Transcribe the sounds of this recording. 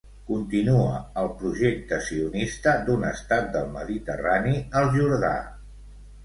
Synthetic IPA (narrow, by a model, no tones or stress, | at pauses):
kunt̪inuəəlˠpɾuʒek̚t̪əsiunist̪əd̪unəst̪at̪̚d̪əlˠməðit̪ə̰raniəlˠʒuɾða̰